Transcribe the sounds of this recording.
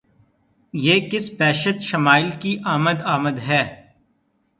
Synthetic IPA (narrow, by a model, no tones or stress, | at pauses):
jeːkɪsbɛːʃət̪ʃɐmaːɪlkiʔaːməd̪aːməd̪ɦɛː